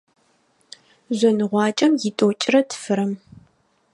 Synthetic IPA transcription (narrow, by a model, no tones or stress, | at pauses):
zʷɐnɨʁʷɑːt͡ʃʼɐmjɪtʼoːt͡ʃʼɪɾɐtʰɨ̥fɨɾɐm